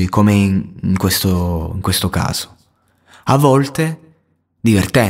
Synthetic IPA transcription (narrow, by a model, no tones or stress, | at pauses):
ikomeiŋŋkwest̪oḭŋkwest̪oka̰ːz̥o̥ | avːɔlt̪e | d̪ivert̪ɛ